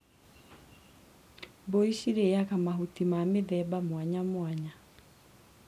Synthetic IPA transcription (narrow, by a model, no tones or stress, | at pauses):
boiʃiɾeakamaɦutimameðɛbamwaɲamwaɲa